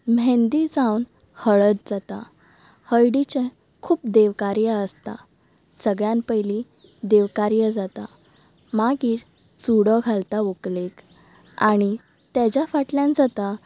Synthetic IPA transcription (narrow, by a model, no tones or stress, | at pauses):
mɛ̃nd̪id͡zawn | həɭət̪̚d͡zat̪a | həjɽit͡ɕɛ̃ | kʰuːp̚d̪eʋkaɾjəəst̪a | səɡɭjãnpəjli | d̪eʋkaɾjəd͡zat̪a | maɡiːɾ | t͡suɽɔɡʱalt̪aoklek | aɽ̃i | t̪jad͡ʑjafaʈljãnd͡zat̪a